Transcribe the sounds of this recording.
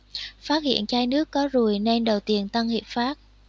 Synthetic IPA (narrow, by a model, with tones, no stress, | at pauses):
faː˦˥t̚hḭ˧˨ənt͡ɕaː˧jnɨ˦˥əkːɔ˨˦zu˨˩əjne˧nɗə˨˩wt̪i˧˩ənt̪a˧ŋhi˨˩p̚faː˦˥t̚